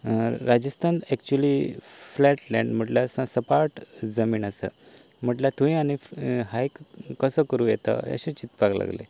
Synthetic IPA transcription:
ɾad͡ʑəst̪ʰant̪ɛkt͡ɕuəliflɛʈlɛ̃ɳɖm̤əʈlasãsəpaɾʈd͡zəmiːnasə̰ | m̤əʈlat̪ũĩañiɦajkːəsəkəɾũjɛt̪a̰a̰ɕẽt͡ɕit̪pakla̰ɡlḛ

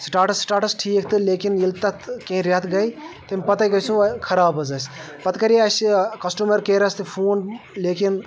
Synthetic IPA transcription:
sʈaːɾʈɐsʈaːɾʈɐsʈʰiːk̚ʰt̪ɨleːkinjilt̪ɐt̪kẽĩɾɐt̪ʰɡɐjt̪ɐmʲpɐt̪ajkɐjsukʰɐɾaːbɐzɐs | pɐt̪kɐɾiɐskɐsʈumɐɾkeːɾɐst̪ɨpʰuːnleːkin

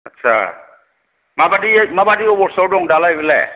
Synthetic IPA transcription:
atːsʰa̰ | mabadimabadiɔbɔɾsɔwdɔŋdalajbela̰

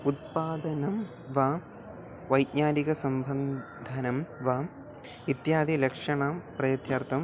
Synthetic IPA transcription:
ut̪̚paːd̪ɐnɐm | ʋa | ʋɐjɲaːniɣɐsɐmbɐn | d̪ʱanɐmʋa | it̪jaːd̪ilekʂɐɳaːprɐjɐt̪jaːrt̪ːɐm

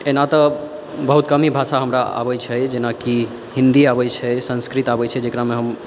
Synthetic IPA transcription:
enat̪ɔ | bəɦut̪̚kəmibʱasaɦəmɾaa̰bɛjt͡ʃʰɛd͡ʒenaki | ɦĩnd̪iaβɛt͡ʃʰɛsə̃nskɾit̪abɛt͡ʃʰɛd͡ʒekɾamẽɦəm

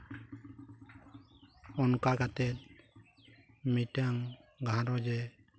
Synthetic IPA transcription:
ɔnkaɡat̪ɛt̪̚ | miʈaŋɡʱaɾɔd͡ʒɛ

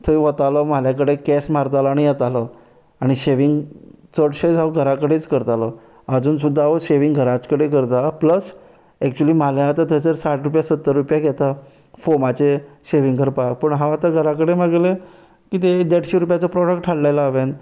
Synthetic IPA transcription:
t̪ʰəiʋət̪alɔmaljakəɽekɛsmaɾt̪alɔaːɽ̃ijɛt̪alɔ | aɽ̃iɕeʋiŋɡt͡səɽɕed͡zaʋɡʱəɾakəɽet͡skəɾt̪alɔ | əd͡zuːnsud̪ʱːaʋoɕeʋiŋɡɡʱəɾat͡skəɽekəɾt̪apləs | ɛk̚t͡ɕuəliːmaljaːt̪at̪ʰəsəɾsaʈɾupjasət̪ːəɾːupjaɡɛt̪a | fomat͡seɕeʋiŋɡʱəɾpak̚pəɳɦãat̪aɡʱəɾakəɽeməɡle | kit̪ed̪eɽɕeɾup̬jat͡sɔpɾɔɽək̚ʈʈʰalːajlaːʋẽn

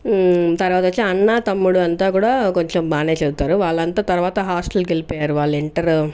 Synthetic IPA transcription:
t̪ɐɾʋaːt̪ɐt͡ʃːeɐɳːat̪ɐmːuɽuɐnt̪aːkuːɽaːkoɲt͡ʃombʱaːneːt͡ʃed̪ut̪ːaːɾuʋaːɭːɐnt̪aːt̪ɐɾuʋaːt̪ɐɦaːsʈɐlkelipejaːɾuʋaːɭːeɳʈɐɾ

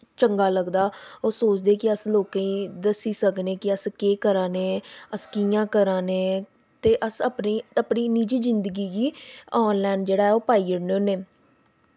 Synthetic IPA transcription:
t͡ʃəŋɡaːləɡd̪aːoːsoːt͡ʃd̪eːkɪəsloːkãĩːd̪əsiːsəkneːkɪəskeːkəɾãːneːəskiːjãːkəɾãːneː | t̪eːʔəsəpniːəpniːniːd͡ʒiːzɪnd̪əɡiːɡiːɔːnlɛːnd͡ʒeːɽaːɦɛːoːpaːiːəɽnoːneː

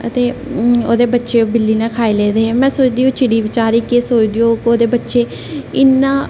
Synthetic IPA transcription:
ə̰t̪eːoːd̪eːbətːʃeːobɪlːiːnãːkʰaːeːleːd̪eːemɛ̃ːsoːt͡ʃd̪iːõːt͡ʃɪɽiːʋɪt͡ʃaːɾiːkːsoːt͡ʃd̪iːoːkoːd̪eːbətːʃeː | ɪnːãː

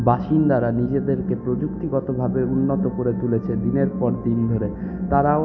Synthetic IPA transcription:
baʃind̪aɾanid͡ʑed̪eɾkepɾod͡ʑukt̪iɡɔt̪obʱabeunːot̪okoɾet̪ulet͡ɕʰed̪ineɾpɔɾd̪ind̪ʱoɾet̪aɾa

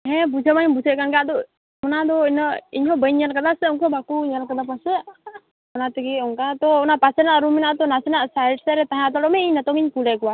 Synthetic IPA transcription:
ɦɛ̃bud͡ʒʱəmaɲbud͡ʒʱɛkanɡaʔd̪ɔ | ɔnad̪ɔinəiɲɦɔ̃bəɲalkad̪asɛɔŋkɔbakuɲalkad̪apɔsɛ | ɔnat̪iɡiɔŋkat̪ɔɔnapasɛnaʔɾumɛnaʔt̪ɔnasɛnaʔsajɖsɛɾɛt̪aɦãat̪ɔɾɔmɛiɲnat̪ɔŋiɲpulɛkɔwa

